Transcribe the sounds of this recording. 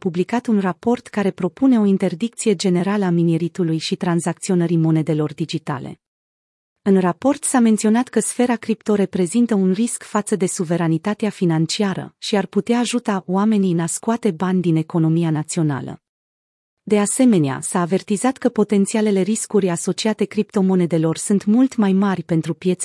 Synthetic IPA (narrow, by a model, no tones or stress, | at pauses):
publikat̪unrapo̞rt̪kaɾe̞pɾo̞pune̞o̞int̪e̞rd̪ik̚t̪sije̞d͡ʒe̞ne̞ɾaləamineɾit̪ulujʃit̪ɾanzak̚t̪sio̞nəɾimo̞ne̞d̪e̞lo̞rd̪id͡ʒit̪a̰le̞̰ | ɨnrapo̞rt̪same̞nt̪sio̞nat̪kəsfe̞ɾakɾipt̪o̞ɾe̞pɾe̞zint̪əunriskfat̪səd̪e̞suve̞ɾanit̪at̪eafinant͡ʃiaɾə̰ʃiarput̪eaːʒut̪aoame̞niɨnaskuat̪e̞banʲd̪ine̞ko̞no̞mijanat̪sio̞na̰lə̰ | d̪e̞ase̞me̞nea̰saːve̞rt̪izat̪kəpo̞t̪e̞nt̪siale̞le̞ɾiskuɾʲaso̞t͡ʃiat̪e̞kɾipt̪o̞mo̞ne̞d̪e̞lo̞rsunt̪mult̪majmarʲpe̞nt̪ɾupje̞t̪s